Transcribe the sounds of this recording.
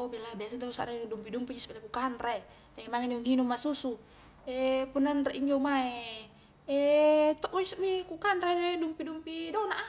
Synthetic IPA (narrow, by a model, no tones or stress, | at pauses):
obilabiasant̪ausa̰ɾadumpidumpid͡ʒisbilakukanɾe | d͡ʒaŋimaŋɛniuŋinumːasusu | ɛpunanreʔiɲd͡ʒomae | ɛt̪ɔʔmɔd͡ʒisumikukanɾeɛdumpidumpidɔnaʔa